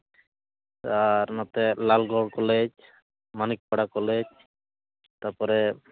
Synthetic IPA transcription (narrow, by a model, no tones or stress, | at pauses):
aɾnat̪ɛlalɡɔɽkɔled͡ʒ | manik̚paɽakɔled͡ʒ | t̪aɾpɔɾɛ